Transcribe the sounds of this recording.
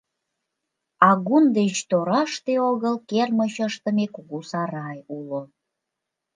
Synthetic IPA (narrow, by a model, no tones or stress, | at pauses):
ɑɣund̪et͡ɕt̪oɾɑʃt̪eoɣəlkerməɕəʃt̪ə̆mekuɣusɑɾɑjulo